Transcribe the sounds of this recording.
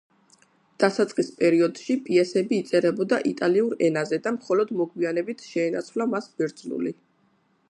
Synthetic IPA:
d̪̥asat̪sʼqʼispʼɛɾiɔd̪ʃipʼiɛsɛbiːt̪sʼɛɾɛbɔd̪aʔit̪ʼaliuɾɛnazɛd̪amχɔlɔd̪mɔɡwianɛbit̪ʰʃɛːnat̪sʰvlamasbiɾd̪zlṵli

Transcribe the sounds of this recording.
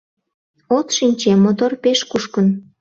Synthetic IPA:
ot̪ʃinʲt͡ɕemot̪orpeʃkuʃkən

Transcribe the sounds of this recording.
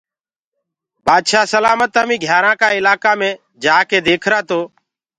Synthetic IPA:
bʱaːd̪ʃaːsəlaːmət̪aːmĩːɡʱjaːɾãːkaːɪlaːkaːmẽː | d͡ʒaːkeːd̪eːkʰɾaːt̪oː

